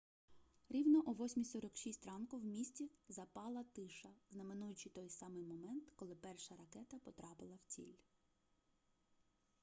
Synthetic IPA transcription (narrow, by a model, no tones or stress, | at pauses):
ɾʲiwnɔʔʊʋɔsʲmʲisɔɾɔkʃisʲtʲrɑnkʊwmʲisʲt͡sʲizɐpɑlˠɐt̪ɪʃɐznɐmenujʊt͡ʃɪt̪ɔjsɑmɪjmɔmɛnt̪kɔlˠɪpɛrʃɐɾɐkɛt̪ɐpɔt̪ɾɑpɪlˠɐwt͡sʲḭlʲ